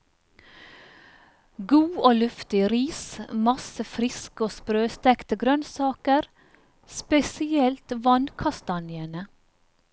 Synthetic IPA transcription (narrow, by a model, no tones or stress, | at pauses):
ɡuːʔoːlʉft̪ɪɾiːsmɑsəfɾɪskoːspɾøːst̪ɛkt̪əɡɾœnsɑːkəɾ | spɛsɪɛlt̪ʋɑnkʰɑst̪ɑnjənə